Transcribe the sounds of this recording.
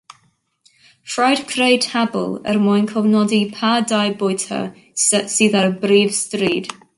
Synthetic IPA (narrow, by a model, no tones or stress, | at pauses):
fɹajdkʰɾeɪdʰhabə̰lˠə̰ɾmɔjnkʰɔvnɔdipʰadajbɔjtʰə̰ | sɛsiːðəɹbɾiːv̥stɾiːd̥